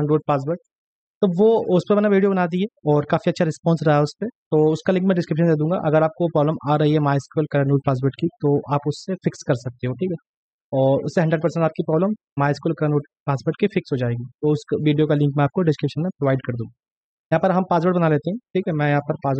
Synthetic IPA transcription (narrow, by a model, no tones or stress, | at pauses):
ɳɖoːʈ̚paːs̬bəɾʈ̚ | t̪oʋoʊspemɐnaʋiːɖijobɐnaːd̪ieːɔːɾkaːfiɐtːʃʰaɾɪspɔ̃ːnsɾɐɦaʊspet̪oːʊskalɪ̃ŋkmẽɖɪskɾɪpʃ̬ənd̪eːd̪ũːŋɡa̰ʔɐɡəɾaːp̚kopɾɔːbləmʔaːɾɐɦiɦɛmaːɪskuːlkɐɾəɳuːʈ̚paːs̬ʋəɾʈkit̪oʔaːpʊsːefɪkskɐɾsɐk̚t̪eɦõʈʰiːkɦɛ | ɔːɾʊ̰sːeɦɐ̃ɳɖɾəɖ̚pɐɾsɛ̃ɳʈaːp̚kipɾɔːbləmːaːɪskuːlkanɖoːʈ̚ | paːsbəɾʈkifɪksɦod͡ʒaːeːɡit̪oʊsʋiːɖijokalɪ̃ŋkmẽaːp̚koɖɪskɾɪpʃənmẽpɾoʋaːɪɖkɐɾd̪ũːŋɡa | jɐɦãːpɐɾɦɐmpaːs̬ʋəɾʈ̚bɐnaleːt̪eɦɛ̃ʈʰiːkɦɛmɛ̃ːjɐɦãːpɐɾpaːs